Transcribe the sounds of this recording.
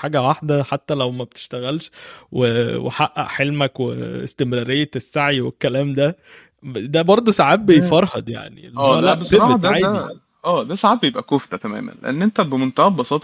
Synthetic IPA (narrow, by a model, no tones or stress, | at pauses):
ħaːɡæwaħd̪æħat̪ːælæwmæbet̪e̥ʃt̪æɣælʃwewḛħaʔʔːæ̰ʔħelmækwḛḛst̪emɾɑːɾejːesːaʕiwekːælæːmd̪æ | d̪æbɑɾˤd̪ˤosaʕaːbːejfɑɾˤhɑd̪ja̰ʕnḭelːæːlæʔbeeaːja | ʔæːd̪æsaʕaːb̪̚bejebʔækoft̪æt̪æmæ̰ːmæ̰nlḛʔenːʔent̪æbemont̪æʔæbɑsˤɑːt̪ˤ